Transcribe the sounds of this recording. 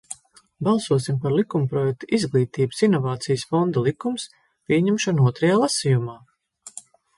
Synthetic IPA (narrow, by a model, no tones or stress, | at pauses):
balˠsuɔsimpaɾlˠikumpɾɔjɛk̚t̪uizɡlˠiːt̪iːbsinɔvaːt̪sijəsfɔnd̪alˠikums | pʲiɛɲɛmʃɔnuɔt̪ɾɐjaːlˠasijumaː